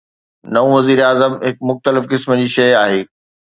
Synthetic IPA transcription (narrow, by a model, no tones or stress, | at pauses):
nɐũʋɐziːɾaːzəmɦɪkmʊxt̪əlɪfkɪsməd͡ʑiːʃɐjaːɦeː